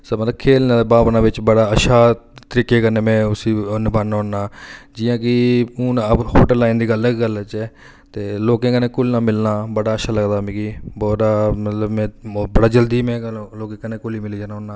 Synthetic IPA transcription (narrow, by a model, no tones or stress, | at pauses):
səmət̪ləbkʰeːlnãːd̪ebaːpnãːʋɪt͡ʃbəɽaːəʃʰaːt̪əɾiːkeːkəɾneːmɛ̃ːʊsiːnbʱaːnːoːnːaːd͡ʒɪjãːkɪnəbhoːʈəlaːĩːnd̪iːɡələkːɡəlt͡ʃɛ | t̪eːloːkẽːkənẽːkʊlnãːmɪlnaːbəɽaːəʃʰaːləɡd̪aːmẽːkiːbɔːaːmət̪ləbmɛ̃ːbəɽaːd͡ʒəld̪iːmɛ̃ːloːkẽːkənẽːkʊliːmɪliːd͡ʒaːnːʊnːaː